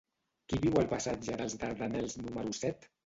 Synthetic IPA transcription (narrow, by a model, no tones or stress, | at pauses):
kiβiwəlpasad͡ʒəðəlˠzd̪aɾðanɛlˠznuməɾusɛt̪